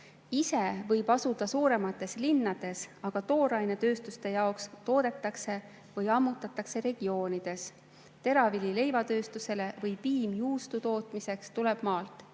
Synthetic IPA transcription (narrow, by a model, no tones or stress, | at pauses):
ise̞vɤjb̥ɑsud̪̥ɑsuːɾe̞mɑt̪ːˑe̞slinːɑd̪̥e̞sɑɡ̥ɑt̪o̞ːɾɑjne̞t̪ø̞ːst̪ust̪e̞jɑokst̪o̞ːd̪̥e̞t̪ːˑɑkse̞ | vɯjɑmːut̪ːˑɑt̪ːˑɑkse̞ɾe̞ɡ̥io̞ːnid̪̥e̞s | t̪e̞ɾɑvilʲile̞jvɑt̪øːst̪use̞le̞vɤjpiːmjuːst̪ut̪o̞ːt̪ˑmise̞kst̪ule̞b̥mɑːlt̪ˑ